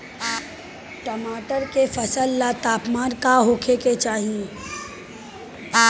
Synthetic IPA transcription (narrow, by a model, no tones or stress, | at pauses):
ʈɐmaːʈəɾkefɐsəlːat̪aːpmaːnkaɦoːkʰeket͡ʃaːɦie